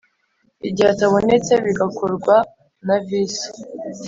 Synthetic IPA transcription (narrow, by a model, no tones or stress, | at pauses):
iɟihataβo̞ne̞t͡se̞βiɡakoɾɡwa | navisi̥